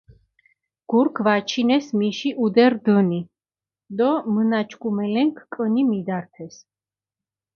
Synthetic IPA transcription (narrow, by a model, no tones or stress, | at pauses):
ɡ̥uɾkʰvat͡ʃʰinɛsmiʃiʔud̪ɛɾd̪əni | d̪ɔmənat͡ʃʰkʰʼumɛlɛŋkʰkʼənimid̪aɾt̪ʰɛs